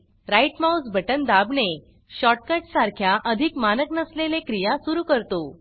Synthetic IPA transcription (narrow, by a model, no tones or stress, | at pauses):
ɾajʈmausbʱəʈənd̪abne | ɕɔʈ̚kəʈsaɾkʰjaʔəd̪ʱikmanəknəslelekɾijasuɾuːkəɾt̪o